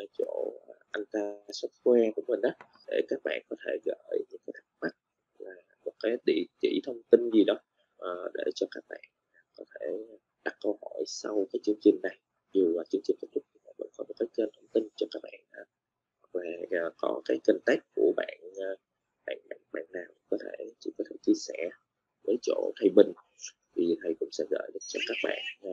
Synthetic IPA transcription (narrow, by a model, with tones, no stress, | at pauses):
t͡ɕo̰˧˨˩ʔa˧jŋ̟t̪aː˧sə˦˥t̚kwɛ˧ku˧˩əmï˨˩ŋ̟ʔaː˨˦ | ɗe˧˩kaː˦˥k̚ɓa̰ː˧˨nkɔ˨˦t̪ʰe˧˩ɣəː˧˨jɲɨ̰˧˥ŋkaː˨˦jt̪a˦˥t̚ma˦˥t̚ | laː˨˩mo˨˩t̚kaː˨˦jɗḭ˧˨t͡ɕḭ˧˩t̪ʰə˧wŋ͡mt̪i˧nzi˨˩ɗɔ˨˦ | ʔːɗe˧˩t͡ɕɔ˧kaː˦˥k̚ɓa̰ː˧˨n˨˩kɔ˨˦t̪ʰe˧˩˨ | ɗa˨˩kːə˧whɔ˧˩˨jsa̰˧wkaː˨˦jt͡ɕɨ˧əŋt͡ɕï˨˩ŋ̟na˨˩j | zu˨˩vaː˨˩t͡ɕɨ˧əŋt͡ɕi˨˩n̟k̪̚ːt̪̚ʰt̪ʰi˨˩ma̰ː˨˩və̰˧˥nkɔ˨˦mo˨˩t̚kaː˨˦jt͡ɕəː˧nt̪ʰə˧wŋ͡mt̪i˧nt͡ɕɔ˧kaː˦˥k̚ɓa̰ː˧˨nʔa˨˩ | hwa˨˩k̚laː˨˩˨kɔ˨˦kaː˨˦jkï˨˩ŋ̟t̪a˦˥jk̟̚ku˧˩əɓa̰ː˧˨nː˨˩ | ɓa̰ː˧˨nɓa̰ː˧˨nɓa̰ː˧˨nːaː˨˩wkɔ˨˦t̪ʰe˧˩t͡ɕḭ˧˩kɔ˨˦t̪ʰe˧˩t͡ɕi˧əsɛ˧˩˨ | vəː˨˦jt͡ɕo̰˧˩t̪ʰə˨˩jɓï˨˩ŋ̟ | t̪ʰi˨˩t̪ʰə˨˩jkʊ̰˧˥ŋ͡msɛ̰˧˥ɣə̰ː˧˩˨jɗɨ̰˨˩ək̚t͡ɕɔ˧kaː˦˥k̚ɓa̰ː˧˨n˨